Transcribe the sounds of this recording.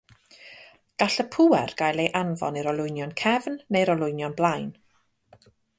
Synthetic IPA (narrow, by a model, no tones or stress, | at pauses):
ɡ̥aɬəpʰʊwɛrɡ̥ajlˠejʔanvɔ̰niɾɔlˠʊjnjɔnkʰɛvnːejɾɔlˠʊjnjɔnblˠajn